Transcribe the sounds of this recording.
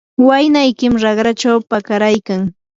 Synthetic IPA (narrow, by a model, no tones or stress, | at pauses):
wajnajkɪmɾɑχɾat͡ʃawpakaɾajkaŋ